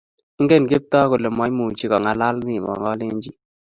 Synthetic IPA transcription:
ɪ˦ŋɡe˦˨nɡe˦p̚tɔ˦ko˨lɛ˨mɔ˨˦jmu˨t͡ʃi˦kɔ˨ŋa˨la˦lni˨mɔ̰˨ŋɡɔ˦le˦ɲd͡ʒi˦

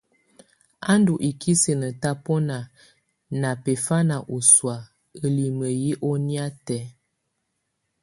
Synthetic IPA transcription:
a˦ndu˨ʔi˨kʰi˦sə˨nə˨ta˦pɔ˦na˨ | na˨pe˨fa˦na˨ʔu˨swa˨ | ə˨li˨mə˨ji˦ʔɔ˦ni˦a˦tɛ˨˦

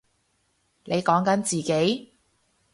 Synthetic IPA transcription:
nʔe˨˧jkɔː˨˥ŋkɐ˨˥nt͡siː˨ke˨˥j

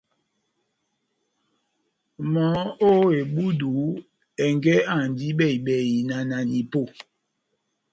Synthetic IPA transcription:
mɔ˨˦o˦e˨ɓu˦du˨˦ | ɛ˨ŋɡɛ˦a˨n˨di˦ɓɛ˦˨i˨ɓɛ˨i˨na˨na˨ni˨po˦˨

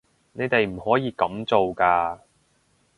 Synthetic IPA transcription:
ne˨˧jt̪e˨jm̩˨˩hɔː˨˥jiː˨˧kɐ˨˥mt͡so˨wkaː˧

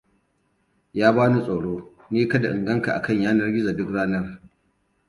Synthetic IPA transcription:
jaː˦baː˦nu˦sʼoː˨ɽoː˦ | niː˦kɐ˦da˨ʔɪ˨ŋɡɐ˦ŋka˨ʔa̰˨kɐ˦˨ɲjaː˦nɐ˦rɡʲɪ˦za˨dʊ˦kɽaː˦nɐ˦r

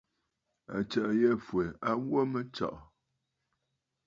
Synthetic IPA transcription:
a̰˨t͡ʃɛ˨ʔjɛ˦fwe˨a˦wo˦mə˦t͡ʃɔ̰˨ʔ

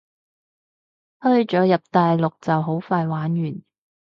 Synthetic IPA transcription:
hɵ˥ɥt͡ʃɔː˨˥jɐ˨p̚t̪aː˨jlʊ˨k̚t͡sɐ˨wɦo˨˥wfaː˧jwaː˨˥njyː˨˩n

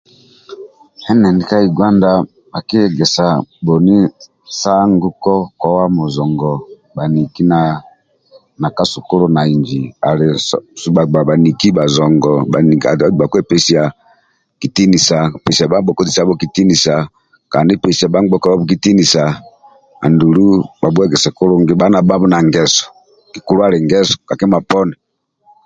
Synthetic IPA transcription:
ɛ˦nɛ˨ndi˦ka˦i˨ɡwa˦nda˦ | ba˨ki˦˨ɡɛ˨sa˨bo˨ni˦ | sa˦ŋ˦ɡu˦kɔ˦kwɔ˦wa˦mo˨zɔ˨ŋɡɔ˨ | ba˨ni˨ki˦na˨ | na˨ka˦su˨ko˦ɾo˦na˨i˨nd͡ʒi˨a̰˨le˨˦a˨a˨ba˨ni˨ki˦ba˨zɔ˨ŋɡɔ˨a˨i˨a˨˦˨ba˨kɛ˦˨pɛ˦si˨ja˨ | ki˨ti˦ni˨sa˨pɛ˨si˨a˨ba˦ɡ͡bɔ˨kɔ˦ti˨sa˦bo˦ki˨ti˦ni˨sa˨ | ka˨ni˦pɛ˨si˨a˨ba˦ŋ˦ɡ͡bɔ˦kba˦bu˦ki˦ti˦ni˨sa˨ | a̰˨ndu˨lu˦ba˨bwɛ˦ɡɛ˨sɛ˨ko˦lo˦ŋɡe˦ba˨˦na˨ba˦bɔ˦na˨ŋɡɛ˦sɔ̥˨ | ki˨ku˨lu˦a˦le˨ŋɡɛ˦sɔ̥˨ka˨kɛ˦ma˨pɔ˦nɛ˨

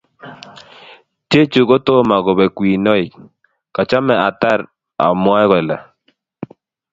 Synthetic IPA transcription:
tje˦t͡ʃu˨ɣɔ˦to˦ma˨ɡɔ˨bɛ˨kwi˨nɔ˦i˨ | ka˨t͡ʃa˦mɛ˨a˨t̪a˦ɾ | a̰˨mwa˦ɣɛ˨la̰˨

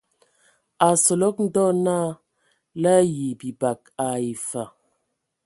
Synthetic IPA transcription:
a˨sɔ˨lɔ˦k̚n̩˦dɔ˦naː˦ | la˦ji˨bi˨ba˨k̚a˨i˨fa˨

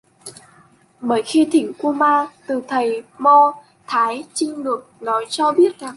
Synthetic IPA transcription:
ɓəː˧˩jxi˧t̪ʰï˧˩ŋ̟ku˧maː˧t̪ɨ˨˩t̪ʰə˨˩jmɔ˧ | t̪ʰaː˨˦jt͡ɕï˧ŋ̟lɨ˨˩ək̚nɔ˨˦jt͡ɕɔ˧ɓi˦˥ət̚za˨˩ŋ

